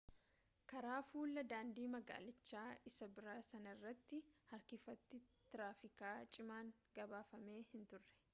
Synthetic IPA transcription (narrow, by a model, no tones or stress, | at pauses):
kɐɾaːfuːlːɐd̪aːnd̪iːmɐɡa̰ːlɪt͡ʃːaːɪsɐbɪɾaːsɐnɐɪrːɐt̪ːɪhɐɾkɪfɐt̪ːɪt̪ɪɾaːfɪkaːt͡ʃʼɪmaːŋɡɐbaːfɐme̞ːhɪnt̪ʊrːɛ̥